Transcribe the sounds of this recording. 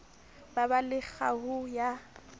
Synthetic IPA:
babalɪk͡xahʊja

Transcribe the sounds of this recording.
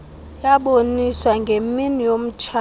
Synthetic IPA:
jaɓoniswaŋɡʱeminijom̩t͡ʃʰa

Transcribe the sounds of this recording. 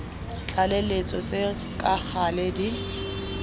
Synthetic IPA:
t͡ɬʰʼalelet͡sʼɔt͡sʼe | kʼak͡xʰalɛdi

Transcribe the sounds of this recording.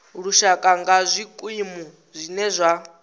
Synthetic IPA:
ɺuʃakʼaŋɡazʷikʼwimu | zʷinɛzʷa

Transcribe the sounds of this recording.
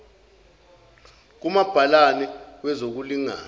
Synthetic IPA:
k̬umab̥ʱalanɛwɛzok̬uliŋa̰ː

